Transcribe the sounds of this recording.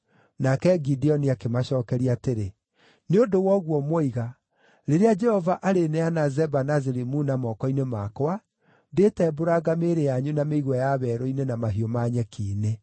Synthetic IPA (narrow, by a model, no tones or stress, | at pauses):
nakɛɡidiɔniakemaɕɔːkɛɾiateɾe | neodowɔɣwɔmɔiɣa | ɾeɾead͡ʒɛhɔvaʔaɾenɛanazɛbanazeɾimunamɔkɔinemakowa | detɛboɾaɡameɾejaɲunameiɣwɛjaβɛɾɔinenamaɦiɔmaɲɛkʰiːne